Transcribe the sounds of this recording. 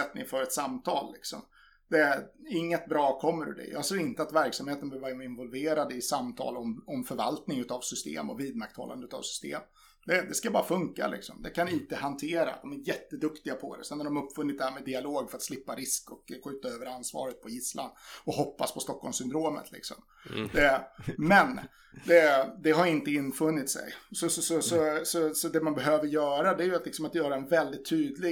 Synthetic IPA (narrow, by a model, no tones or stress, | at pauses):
ɛt̪nɪ̰ŋfœɾɛt̪samt̪ʰɑːlːɪksɔ̰m | d̪ɛæɪŋːət̪̚bɾɑːkʰɔmːəɾɵ̰d̪ɛ̰jɑːɡseːɾɪnt̪əat̪væɾksamheːt̪ənbœvaɾmɪnvɔlveːɾad̪əɪsamt̪ʰɑ̰ːlɔmɔmfœɾva̰lt̪nɪŋʉ̟t̪avsʏst̪ḛːmɔ̰viːd̪̚makt̪hɔ̰lːand̪əʉ̟t̪ʰa̰ːvsʏ̥st̪ḛːm | d̪ɛd̪ɛskabɑːɾafɵŋka̰lɪ̰ksɔ̰md̪ɛkʰanɪnt̪əhant̪ʰeːɾa̰d̪ɔmæɾjɛt̪ːəd̪ɵkt̪ɪɡapʰɔ̰d̪ɛ̰sɛnːaɾɖɔmɵpːfɵnːɪt̪̚d̪ɛhæːɾmɛd̪ɪaloːɡfœɾat̪slɪpːaɾɪskɔkɧʉ̟ːt̪aøːvəɾansvɑ̰ːɾət̪̚pʰɔjɪsla̰nɔɦɔpːaspʰɔst̪ɔkːɔlmsʏnd̪ɾoːmə̰t̪lɪ̰ksɔ̰m | ɛmɛn | d̪ɛd̪ɛɦaɾjɪnt̪əɪnːfɵnːɪt̪sɛ̰jsɔsɔsɔsɔsɔsɔd̪ɛmanbɛɦøːvəɾjœːɾad̪ɛæɾjɵat̪lɪksɔmat̪jœːɾaɛnvɛld̪ɪt̪ʰːyːd̪lɪ